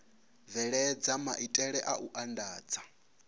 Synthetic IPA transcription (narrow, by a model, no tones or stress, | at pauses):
vɛɺɛd͡zamaʔitʼɛɺɛʔaʔuʔandaːd͡za